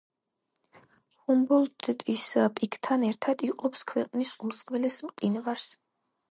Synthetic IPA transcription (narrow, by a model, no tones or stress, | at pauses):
humbɔlt̪t̪ʼispʼikʰt̪ʰanɛɾt̪ʰad̪iqʼɔpskʰwɛqʼnisumsqʼvɛlɛsmqʼinvaɾs